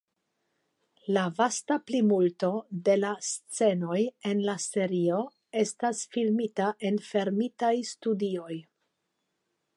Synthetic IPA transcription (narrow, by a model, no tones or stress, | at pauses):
lavastaplimultode̞last͡se̞no̞je̞nlase̞ɾio̞ | e̞stasfilmitaʔe̞nfe̞ɾmitajstudio̞j